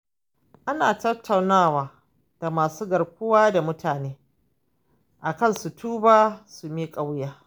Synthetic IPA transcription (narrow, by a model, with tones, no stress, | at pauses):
ʔa˦naː˨tɐ˦tʰːa˨wnaː˦˨waː˨ | d̥a˨maː˨suː˦ɡɐ˨rkʷʊ˦waː˦da˨mʊ˦tʰaː˨neː˦ | ʔa˨kɐ˦nsu˨tʰuː˦baː˦su˨mi˦kʼa˦wjaː˦